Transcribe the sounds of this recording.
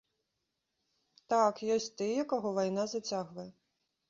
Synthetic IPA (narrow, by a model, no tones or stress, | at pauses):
t̪akjɔsʲtʲt̪ɪjɐkɔɦɔʋɐjnazɐt͡sʲaɣʋɐjɛ